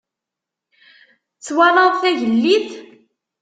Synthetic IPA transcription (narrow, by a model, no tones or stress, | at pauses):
t͡sːwæɾˤɑðθæʝəlːiθ